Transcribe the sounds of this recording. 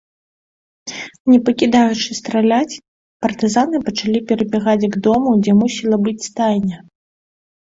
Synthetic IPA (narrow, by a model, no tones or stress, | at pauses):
nʲɛpɐkʲid̪ajut͡ʂɨst̪ɾalʲat͡sʲ | pɐrt̪ɨzanɨpɐt͡ʂalʲipʲɛɾɐbʲɛɣad͡zʲɡd̪ɔmud͡zʲɛmusʲilˠɐbɨt͡sʲst̪ajnʲɐ